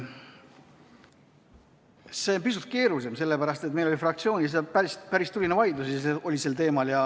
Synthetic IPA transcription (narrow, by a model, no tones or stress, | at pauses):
se̞onpisut̪̚ˑke̞ːɾuse̞mse̞lːepæɾɑst̪e̞t̪̚ːˑme̞jlo̞lʲifrɑk̚t̪sio̞ːnisepæɾist̪pæɾist̪ulinevɑjd̪usseo̞lʲiselt̪e̞ːmɑljɑ